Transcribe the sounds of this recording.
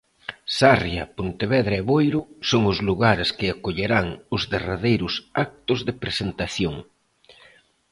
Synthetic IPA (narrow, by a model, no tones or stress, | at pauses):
sarjɐpont̪eβɛðɾaeβojɾʊsoŋʊzluɣaɾeskɪakoʎeɾaŋʊzðeraðejɾʊsak̚t̪ʊzðɪpɾesent̪aθjoŋ